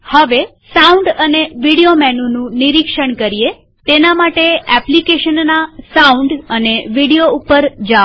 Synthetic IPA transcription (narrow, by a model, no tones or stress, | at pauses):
həʋe | sauɳɖəneʋiɽiomɛnonũniɾikʃəɳkəɾie | t̪enamaʈeɛplikeʃənːasauɳɖəneʋiɽijoupəɾd͡ʒa